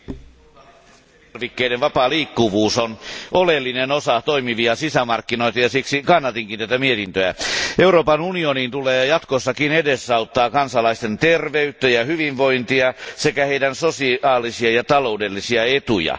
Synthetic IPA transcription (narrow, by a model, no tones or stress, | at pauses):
ʋikːeiɾeʋʋɑpɑːliːkːuʋuːsonʔolelːinenosɑt̪oimiʋiɑsisæmɑrkːinoit̪ɑjɑsiksikɑnːɑt̪iŋkint̪æt̪æmiet̪int̪øæ̰euroːpɑnunioniːnt̪uleːjɑt̪kosːɑkinedesːɑut̪ːɑːkɑnsɑlɑist̪ent̪erʋeyt̪ːæjɑhyʋiʋʋoint̪iɑsekæheidænsosiɑːlisiɑjɑt̪ɑloudelːisiɑet̪ujɑ̰